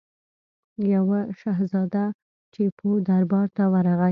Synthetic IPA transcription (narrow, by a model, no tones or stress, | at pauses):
jawaʃaɦzɑd̪a | t͡ʃepʰod̪aɾbɑɾt̪awaɾaɣa